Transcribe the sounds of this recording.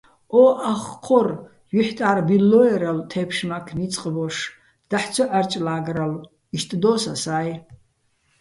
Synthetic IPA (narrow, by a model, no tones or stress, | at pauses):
oʔaχqʰɔr | jyħtʼʕarbilːojeɾaltʰepʰʂmakʰmit͡sʼqʼəboʂ | d̪̥aħt͡sʷʰɔʔart͡ʃʼlaːɡɾal | iʃt̪ʼd̪osasaːj